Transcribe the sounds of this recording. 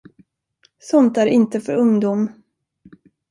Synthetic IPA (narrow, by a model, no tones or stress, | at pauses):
sɔnt̪æɾɪnt̪əfœɾɵŋd̪uːm